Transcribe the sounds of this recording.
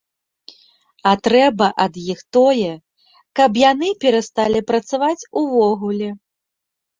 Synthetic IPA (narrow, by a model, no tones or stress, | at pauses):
ɐt̪ɾɛbɐʔɐd̪jixt̪ɔjɛ | kɐpjanɨpʲɛɾɐst̪alʲipɾɐt̪savat͡sʲuvɔɣulʲɛ